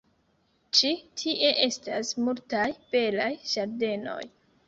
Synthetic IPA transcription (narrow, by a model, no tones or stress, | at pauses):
t͡ʃitʰiʔe̞ʔe̞stasmultajb̥e̞lajʒ̥aɾde̞no̞̰j